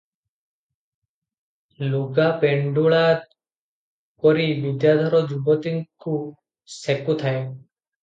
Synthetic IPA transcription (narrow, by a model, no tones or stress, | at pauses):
luɡapeɳɖuɭaːt̪ | kɔɾiʋid̪jad̪ʱɔɾɔd͡ʒubɔt̪iŋku | sekut̪ʰae